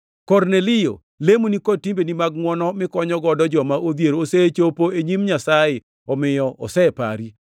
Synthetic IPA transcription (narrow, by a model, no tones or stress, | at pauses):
kɔɾnelɪjo̰ | lemonikɔtimbenimaɡ̚mwɔnɔmɪkɔɲɔɡɔdɔd͡ʒɔmaʔod̪jeɾooset͡ʃopoeɲimɲasajɪ | ɔmɪjɔʔɔ̰sɛpa̰ɾi